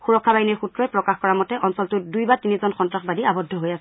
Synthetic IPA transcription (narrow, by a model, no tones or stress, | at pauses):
xuɹɔkʰːabainiɹxutɹɔɛpɹɔkaxkɔɹamɔtɛʔɔnsɔltʊdujbatinizɔnxɔntɹaxbadiabɔdʱɔɦojasɛ